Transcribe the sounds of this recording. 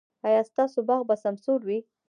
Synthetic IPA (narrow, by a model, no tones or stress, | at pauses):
ɑjɑst̪ɑsobɑɣbasamsoɾwi